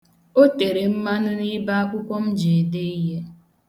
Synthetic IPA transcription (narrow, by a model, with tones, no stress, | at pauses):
o˦te˨ɾe˨m̩˦ma˦nʊ˦ni˦ba˦a˦kʷʊ˦kʷɔ˦m̩˦d͡ʒe˨de˦i˦ɦe˦